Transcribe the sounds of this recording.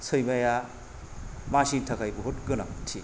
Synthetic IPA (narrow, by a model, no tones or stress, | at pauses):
sʰɯjmaja | masintʰɐkʰajbuɦotɡɯna̰ktʰi